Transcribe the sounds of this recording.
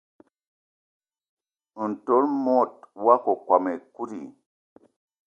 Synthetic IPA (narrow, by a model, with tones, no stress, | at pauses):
u˨n˨to˨˦lmo˦˨t̚wa˦ko˨kwa˨me˨ku˦ɾḭ˨